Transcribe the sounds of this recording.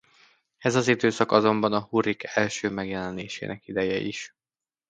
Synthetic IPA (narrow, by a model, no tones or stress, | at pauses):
ɛzɒzid̪øːsɒkɒzo̞mbɒnɒhuɾikʰɛlʃøːmɛɡjɛlɛneːʃḛːnɛkid̪ɛjɛḭʃ